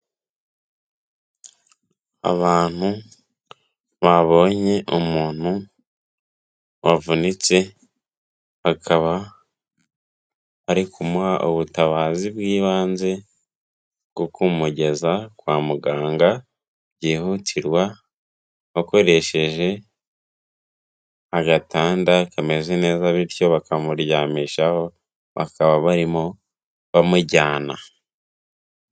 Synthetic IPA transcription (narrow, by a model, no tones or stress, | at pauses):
a̰βaːn̥hu | βaβo̞ːɲe̞ʔumuːn̥u | βavunit͡se̞ | hakʰaβa | βaɾikʰumuhaʔoβutaβaːzibɡiːβaːnze̞ | ɡ̥okʰumuɟe̞zakwaːmuɡaːŋɡa | ɟiːhutʰiɾwa | βako̞ɾe̞ʃe̞ʒe̞ | aɡataːndakame̞zene̞ːzaβiɾco̞βakamuɾjaːmiʃaho̞ | βa̰kaβaβaɾimo | βamuɟaːna